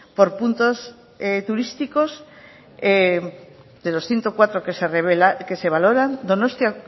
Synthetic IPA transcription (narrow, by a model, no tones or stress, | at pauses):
poɾpunt̪os | et̪uɾist̪ikos | e | d̪elosθjent̪okwat̪ɾokesereβelakeseβ̞aloɾand̪onost̪ja